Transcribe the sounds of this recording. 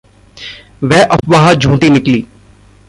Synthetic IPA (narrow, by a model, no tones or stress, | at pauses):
ʋɛːʔɐpʋaɦad͡ʒʱũːt̪inɪkliː